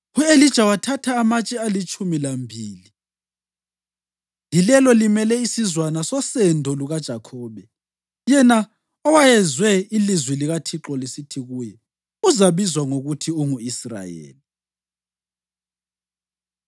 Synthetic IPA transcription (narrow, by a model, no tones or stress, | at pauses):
uelid̥ʒ̥ʱawatʰatʰaːmat͡ʃʼɛalit͡ʃʼumilambʱiːli | lilɛlɔlimɛlɛisizwanasɔsɛndʱɔluɣad̥ʒ̥ʱakʰɔːβɛ | jɛna | ɔwajɛzwɛilizwiliɣatʰiǁɔlisitʰiɣuːjɛ | uzaβizwaŋoɣutʰiuŋuisra̰jḛːli